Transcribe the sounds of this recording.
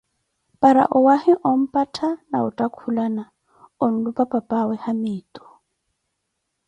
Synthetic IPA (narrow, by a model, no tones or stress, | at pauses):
pʼaɾa̰ʔʊwahɪʔʊm̩pʼatʰana̰ʊtʼakʰulana | ʊn̩lupʼapʼapʼawɛhamɪːtʼɔ̥